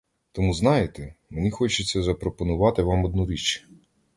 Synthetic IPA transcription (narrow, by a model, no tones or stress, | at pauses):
t̪ɔmuznɑjet̪ɛmenʲixɔt͡ʃʊt͡sʲːɐzɐpɾɔpɔnʊʋɑt̪ɪʋɑmɔd̪̚nuɾʲit͡ʃ